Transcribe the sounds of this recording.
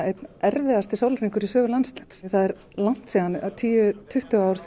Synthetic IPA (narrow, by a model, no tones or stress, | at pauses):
ejt̪nɛɾvɪðast̪ɪsawlfɾiŋkʏɾisœːɣʏlanst̪lɛt̪sθaðɛɾ | lan̥t̪siːðanat̪ʰiːʏt̪ʰʏht̪ʏaːwɾθ